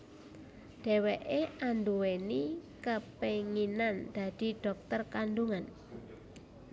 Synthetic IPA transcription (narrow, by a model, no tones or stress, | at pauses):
ɖ̥ɛ̤weʔeʔanduwenikəpeŋinand̪̥ä̤d̪̥i̤ɖ̥ɔ̤k̚t̪ərkanɖuŋan